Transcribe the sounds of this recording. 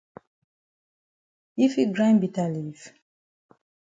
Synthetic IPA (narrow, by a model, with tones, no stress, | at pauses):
i˦fi˦ɡɹã˦nbi˨ta˨li˨f